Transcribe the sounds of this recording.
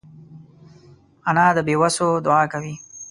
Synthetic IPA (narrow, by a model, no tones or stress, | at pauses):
anad̪əbewasod̪ʊɑːkawi